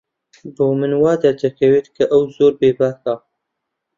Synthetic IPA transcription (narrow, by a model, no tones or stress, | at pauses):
boːmɨnwɑːd̪ɐɾd͡ʒɐkʰɐweːt̪kʰɐʔɐwzoːɾbeːbaːkaː